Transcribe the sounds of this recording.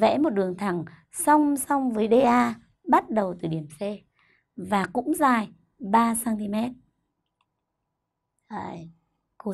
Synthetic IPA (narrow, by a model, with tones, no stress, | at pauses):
vɛ̰˧˥mo˨˩t̚ɗɨ˨˩əŋt̪ʰa˨˩ŋ | sa˧wŋ͡msa˧wŋ͡mvəː˨˦jɗe˧ʔaː˧ | ɓa˦˥t̚ɗə˨˩wt̪ɨ˨˩ɗi˨˩əmse˧ | vaː˨˩kʊ̰˧˥ŋ͡mzaː˧˩j | ɓaː˧saː˧nt̪i˧mɛ˦˥t̚ | ku˧˦